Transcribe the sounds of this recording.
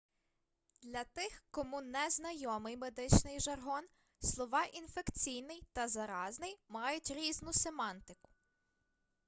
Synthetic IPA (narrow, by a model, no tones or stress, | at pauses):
d̪lʲɐt̪ɪxkɔmunɛznɐjɔmɪjmed̪ɪt͡ʃnɪjʒɐrɦɔn | slˠɔʋɑʔinfekt͡sʲijnɪjt̪ɐzɐɾɑznɪjmɑjʊtʲɾʲiznʊsemɑnt̪ɪkʊ̥